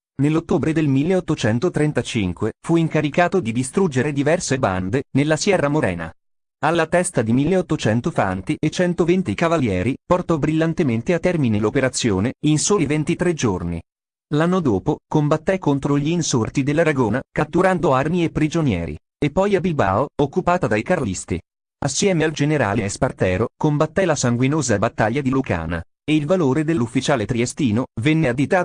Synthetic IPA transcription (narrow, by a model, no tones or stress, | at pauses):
nelːot̪ːoːbɾed̪elmilːeot̪ːot͡ʃɛnt̪ot̪ɾent̪at͡ʃiŋkwefuiŋkaɾikaːt̪od̪id̪ist̪ɾud͡ʒeɾed̪ivɛrseba̰nd̪enelːasjɛrːamoɾɛ̰ːna̰ | alːat̪ɛst̪ad̪imilːeot̪ːot͡ʃɛnt̪ofa̰nt̪iet͡ʃɛnt̪ovent̪ikavaljɛːɾiport̪ɔbɾilːant̪ement̪eat̪ːɛrminelopeɾat̪sːjo̰ːneinsoːlivent̪it̪ɾed͡ʒornḭ | lanːod̪oːpokombat̪ːɛkːont̪ɾoʎiːnsort̪id̪elːaɾaɡoːnakat̪ːuɾand̪oarmiepːɾid͡ʒonjɛ̰ːɾḭ | epːɔjabilba̰ːookːupaːt̪ad̪ajkarlist̪ḭ | asːjɛːmeald͡ʒeneɾa̰ːleɛspart̪ɛːɾokombat̪ːɛlasaŋɡwinoːzabat̪ːaʎːad̪iluka̰ːna̰ | eilvaloːɾed̪elːufːit͡ʃaːlet̪ɾiest̪iːnovɛnːead̪it̪a